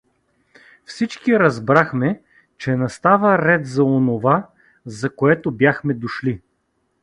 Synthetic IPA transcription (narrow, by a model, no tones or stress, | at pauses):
fsit͡ʃkiɾɐzbɾaxmɛ | t͡ʃɛnɐst̪avəɾɛt̪zɐonova | zɐkoɛt̪objaxmɛd̪oʃli